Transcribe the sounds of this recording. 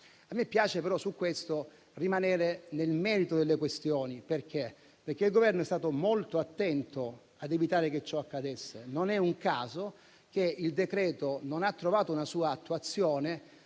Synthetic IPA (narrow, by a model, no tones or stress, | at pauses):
amːepːjaːt͡ʃepeɾɔsukːwest̪o | rimanɛːɾenelmɛːɾit̪od̪elːekwest̪joːniperk̟e | perk̟eilɡovɛrnoɛst̪aːt̪omolt̪oat̪ːɛnt̪o | ad̪evit̪aːɾek̟et͡ʃːɔakːad̪esːenonɛuŋkaːzo | k̟eild̪ekɾɛːt̪ononat̪ːɾovaːt̪ounasuːaːt̪ːuat̪sːjoːne